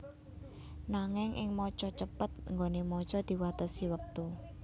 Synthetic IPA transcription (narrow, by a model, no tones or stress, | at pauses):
naŋɪŋʔɪ̰ŋmɔt͡ʃɔt͡ʃəpət̪̚ŋɡonemɔt͡ʃɔd̪̥i̤wat̪əsiwək̚t̪u